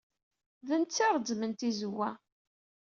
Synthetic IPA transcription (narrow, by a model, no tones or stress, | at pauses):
ðənt̪t͡sːɪɾˤdmənt̪izəwːæ